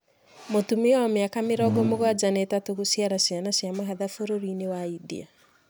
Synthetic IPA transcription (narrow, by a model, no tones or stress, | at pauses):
motumeaɔmeakameɾɔɡɔmoɣwad͡ʒanɛtatoɣosiaɾasianasjamaɦaðafoɾoɾinewaidḭa